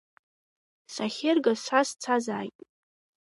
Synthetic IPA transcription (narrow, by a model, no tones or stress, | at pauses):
saχʲɪrɡasast͡sʰazaːjtʼ